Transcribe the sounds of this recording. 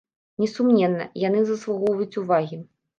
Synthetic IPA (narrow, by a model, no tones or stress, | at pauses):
nʲɛsumnʲɛnːɐ̰jan̪ɨzɐslˠaɣɔvɐjut͡sʲuvaɣʲi